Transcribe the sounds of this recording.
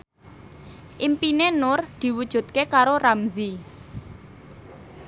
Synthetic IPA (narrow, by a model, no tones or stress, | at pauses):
ʔimpinenʊrd̪̥i̤wud̥ʒ̥ṳt̪̚kekaɾoramzi